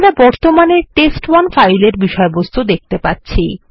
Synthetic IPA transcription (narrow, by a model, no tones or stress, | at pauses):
ɾabɔɾt̪omaneɾʈesʈwanfajleɾbiʃɔebost̪ud̪ek̚ʰt̪epatːɕʰi